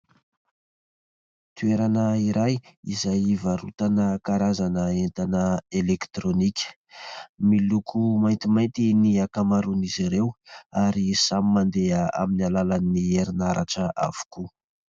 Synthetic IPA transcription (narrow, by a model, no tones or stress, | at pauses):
t̪ueɾanəiɾʔajizajivaɾṵt̪anəkaɾazanəent̪anəelekt̪ɾonikʲə̥ | milukʰumajnt̪imajnt̪iniakamaɾuniziɾewaɾisamimand̪eəa̰minalalanːieɾinaɾʔaʈ͡ʂəʔa̰v̥u̥ku